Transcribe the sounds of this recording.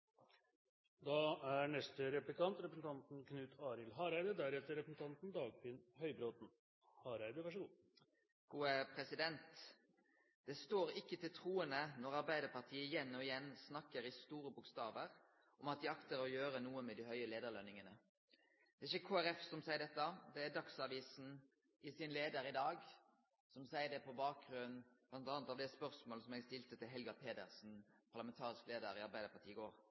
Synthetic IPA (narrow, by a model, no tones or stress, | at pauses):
d̪ɑæɳɛst̪əɾɛplɪkɑnt̪ɾɛpɾəsn̩t̪ʰɑnt̪nkʰnʉːt̪ʰɑːɾɪlɦɑːɾæɪd̪əd̪æɾhɛt̪əɾɛpɾəsn̩t̪ɑnt̪n̩d̪ɑːɡ̚pʰɪnhœʏbɾoːt̪n̩ | hɑːɾæɪd̪əʋæʂlu | ɡ̥uːəpʰʁɛsɪd̪ɛnt̪ | d̪̥ɛst̪oːʁɪkːət̪ʰɪlt̪ʰʁuːənənɔʁɑʁbæɪd̪əpɑʁt̪ʰiːəjɛnːɔɪjɛnsnɑkːəʁɪst̪uːʁəbʊkst̪ɑːʋəʁ | ʔɔmɑt̪̚d̪ɪɑkt̪əʁɔjøːɾənuːəmɛd̪ɪɦœʏəleːd̪əʁlœnɪŋənə | d̪ɛːɪçəkʰoːæɾɛfsɔmsæɪəɖ̪ɛt̪ːəd̪ɛæd̪ɑksɑʋiːsn̩ | ɪsɪnleːd̪əɾɪd̪ɑːɡ | sɔmsæɪəɖ̪ɛpʰɔbɑːk̚ɡʁʉnnblɑnt̪ɑːnət̪ɑʋd̪ɛspœʁsmoːləsɔmɛɡst̪ɪlt̪ət̪ɪlɦɛlɡɑpʰeːd̪ə̰ʁsn̩pʰɑʁlɑmɛnt̪ʰɑːʁɪskleːd̪əɾɪɑɾʁbæɪd̪əɾpɑt̪iːɪɡoːɾ